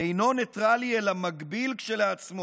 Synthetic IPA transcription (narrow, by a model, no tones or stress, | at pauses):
ejno̞net̪ʁalielamaɡbilkʃeleat͡smo